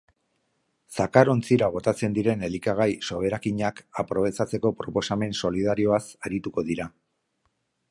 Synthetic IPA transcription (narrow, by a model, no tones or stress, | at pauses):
sakaɾo̞nt͡siɾaɣ̞o̞t̪at͡se̞nd̪iɾe̞ne̞likaɣ̞ajso̞βe̞ɾakiɲakapɾo̞β̞e̞t͡sat͡se̞ko̞pɾo̞po̞same̞nso̞liðaɾio̞asaɾit̪uko̞ðiɾa